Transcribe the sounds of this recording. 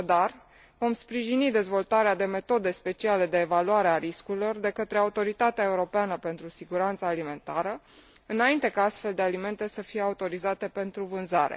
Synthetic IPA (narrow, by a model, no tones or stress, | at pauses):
aad̪ar | vo̞mspɾiʒinid̪e̞zvo̞lt̪aɾead̪e̞me̞t̪o̞d̪e̞spe̞t͡ʃiale̞d̪e̞ːvaluaɾeaɾiskuɾilo̞rd̪e̞kət̪ɾe̞aut̪o̞ɾit̪at̪eae̞uɾo̞peanəpe̞nt̪ɾusiɡuɾant̪saːlime̞nt̪aɾəɨnaint̪e̞kaast̪fe̞ld̪e̞alime̞nt̪e̞səfije̞aut̪o̞ɾizat̪e̞pe̞nt̪ɾuvɨnzaɾḛ